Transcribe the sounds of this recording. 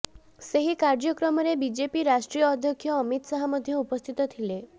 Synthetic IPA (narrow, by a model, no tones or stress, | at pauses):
seɦikaɾd͡ʒɔkɾɔmɔɾebid͡ʒepiɾaʃʈɾijɔːd̪ʱjɔkʰjɔːmit̪saɦamɔd̪ʱjɔupɔst̪ʰit̪ɔt̪ʰile